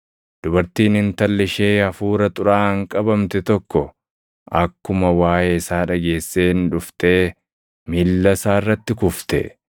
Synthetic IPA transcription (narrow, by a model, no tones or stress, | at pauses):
d̪̥ʊbɐɾt̪iːnɪnt̪ɐlːɪʃe̞ːɐfuːɾɐt̪ʼʊɾaːɐŋkʼɐbɐmt̪ɛt̪ɔkːɔ | ʔɐkːʊmɐwaːʔeːɪsaːᶑɐɡe̞ːsːe̞ːnᶑʊft̪eː | milːɐsaːɪrːɐt̪ːɪkʊft̪ɛ̰